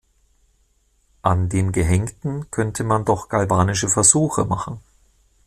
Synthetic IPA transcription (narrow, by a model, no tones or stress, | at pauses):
ʔandeːnɡəɦɛŋtn̩kʰœntʰəmandɔχɡ̥ʰalbaːnɪʃəfɛɐzuːxəmaχn̩